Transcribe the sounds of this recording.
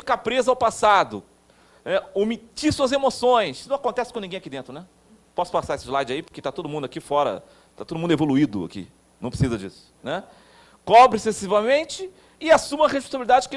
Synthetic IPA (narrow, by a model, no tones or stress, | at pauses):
fikapɾezɐawpasad̪ʊ̰ | nɛomit͡ʃisuɐzemosõj̃snɐ̃w̃akõnt̪ɛsɪ̥kõnĩɡẽj̃akid̪ẽt̪ɾʊnɛ | pɔsʊ̥pasaɾesɪzlajd͡ʒaipo̥ket̪at̪od̪ʊmũd̪ʊakifɔɾɐ̰ | t̪at̪od̪ʊmũd̪evoluid̪ʊ̰a̰kḭ | nɐ̃w̃pɾɪsizɐd͡ʒḭsʊ̥nɛ | kɔbɾɪsesivɐmẽnt͡ʃɪ | ɪasũmɐɦeʃpõs̬abilid̪ad͡ʒɪkɪ